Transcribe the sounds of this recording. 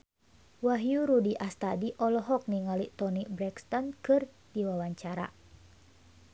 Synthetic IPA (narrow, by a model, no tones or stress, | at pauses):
waɦjuɾudiʔast̪adiʔɔlɔɦɔk̚niŋalit̪ɔnibɾɛkst̪ɔnkɨr | diwawaɲt͡ʃaɾa̰